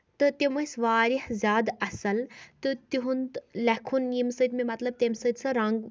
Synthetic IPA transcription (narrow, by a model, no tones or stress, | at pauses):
t̪ɨt̪emɐsʲʋaːɾihzʲjaːd̪ɐsɐlt̪ɨt̪iɦund̪lʲɐkʰunimsəd̪memɐt̪lɐb̚t̪emsəd̪ʲsɐɾɐŋɡ